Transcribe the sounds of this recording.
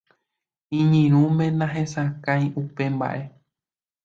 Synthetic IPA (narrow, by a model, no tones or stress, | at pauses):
ĩɲĩɾ̃ũmẽ̞nãɦẽ̞sakãjʔupe̞mba̰ʔe̞